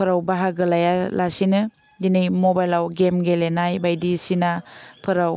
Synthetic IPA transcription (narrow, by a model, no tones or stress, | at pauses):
pʰɯɾawbaɦaɡɯlajalasinɯ | dinɯjmobajlawɡemɡelenajbajdisinapʰɯɾaw